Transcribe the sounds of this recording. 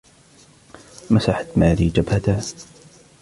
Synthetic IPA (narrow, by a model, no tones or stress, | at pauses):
masaħat̪maːɾiːd͡ʒabhat̪a